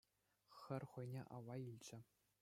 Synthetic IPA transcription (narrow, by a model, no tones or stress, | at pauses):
xɘ̆rʲχɤ̆jnʲḛʔɑʋːɑilʲd͡ʑɘ̆